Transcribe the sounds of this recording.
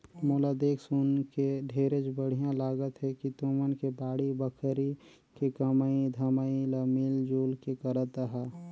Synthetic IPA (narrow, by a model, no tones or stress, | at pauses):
molad̪eːksʊnkeɖʱeːɾed͡ʒbəɽ̤ijãlaːɡət̪ɦɛkit̪omənkebaːɽibəkʰəɾi | kekəmaid̪ʱəmailəmiːld͡ʒoːlkekəɾət̪əɦɛː